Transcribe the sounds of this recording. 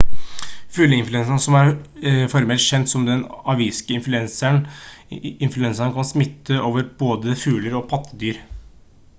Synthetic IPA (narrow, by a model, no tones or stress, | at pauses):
fʉːləɪnflʉɛnsɑɳsɔmæɾfɔɾmɛlt̪ɕɛnt̪sɔmd̪ɛnɑʋiːskəɪnflʉɛnsəɳ | ɪnflʉɛnsɑɳkʰɑnsmɪt̪ːəʔoːʋəɾb̥oːd̪əfʉːləɾɔpʰɑt̪ʰːəd̪yːɾ